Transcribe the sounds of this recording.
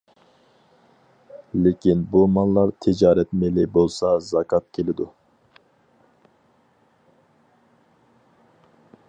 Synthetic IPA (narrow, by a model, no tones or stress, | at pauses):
lɪkʲʰinbumɑnˠlːˠɑɾt̪ʰɪd͡ʒɑːɾɛt̪melɪbolˠsɑzɑkʰɑt̪̚kʲʰelɪd̪u